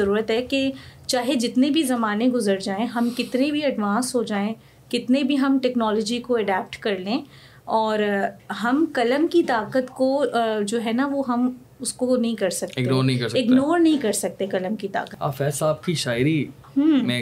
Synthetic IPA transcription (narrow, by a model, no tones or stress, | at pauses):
zɐɾuːɾət̪ɦɛket͡ʃaːɦed͡ʒɪt̪nebʱizɐmaːneɡʊzəɾd͡ʒaːẽɦɐmkɪt̪nebʱiɐɖʋãːnsɦod͡ʒaːẽ | kɪt̪nebʱiɦɐmʈɛːknɔːlɔːd͡ʒikoɐɖɛːp̚ʈkɐɾlẽː | ɔːɾɦɐmkɐləmkit̪aːkət̪kod͡ʒoːɦɛnaʋoɦɐm | ʊskonɐɦĩkɐɾsɐkt̪ɪɡenoːɾnɐɦĩkɐɾsɪɡnoːɾnɐɦĩkɐɾsɐk̚t̪ẽkɐləmkit̪a̰ːkət̪a̰ːfɛːsaaːp̚kiʃaːɪɾi | ɦəmɛ̃